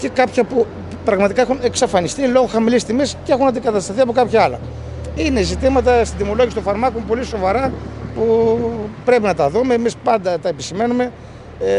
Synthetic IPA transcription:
ce̞kɐpçɐpu | pɾɐɣmɐt̪ikɐexune̞ksɐfɐnist̪ilo̞ɣoxɐmilist̪imesceexunɐnd̪iɡɐt̪ɐst̪ɐθiɐpo̞kɐpçɐɐlɐ̰ | ine̞zit̪imɐt̪ɐst̪id̪imo̞lo̞ʝisit̪ofɐɾmɐkompo̞liso̞vɐɾɐpu | pɾe̞pinɐt̪ɐðumeːmispɐnd̪ɐt̪ɐepisime̞nume̞

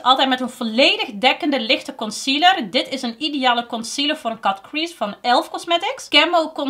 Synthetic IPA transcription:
tɑlˠtɛjtmɛtənvoleːdəxdɛkəndəlɪxtəkɔnsilərdɪtɪsənideaːləkɔnsiləɹvoːɾənkɑtkɹisfɑnɛlˠfkɔsmɛtɪkskɛmowkɔn

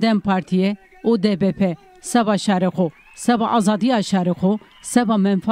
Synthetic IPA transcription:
d̪ɛmpʰɑːɾt̪ʰijɛ | od̪ɛbɛpʰɛ | sɛvɑːʃɑːɾexo | sɛbɑʔɑːzɑːd̪ijɑːʃɑːɾexo | sɛbɑːmɛnfa

